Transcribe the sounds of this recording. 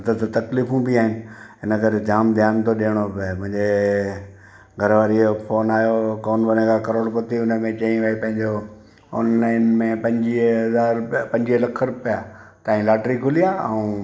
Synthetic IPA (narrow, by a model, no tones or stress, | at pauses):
t̪ɐt̪ət̪ɐkliːfũbiaːɦɪnɪ̆ɦɪnəkɐɾed͡ʑ̪ʱaːmd̪ʱjaːnt̪oɗeːɽ̃obmʊ̃ɦɪ̃ɲd͡ʑe | ɡʱɐɾʋaːɾiofoːnaːjokoːnbɐnekʰakɐɾoːɽpot̪iʊnə̆mẽt͡ɕɐĩʋaipɐ̃ɦɪ̃ɲd͡ʑo | ɔ̰ːnlaːɪnmẽpɐ̃ɲd͡ʑiɦɐzaːɾpɐ̃ɲd͡ʑiɦəlɐkʰəɾpɪjaːt̪aːɦĩlaːʈɾikʰʊlijaɛ̰ũ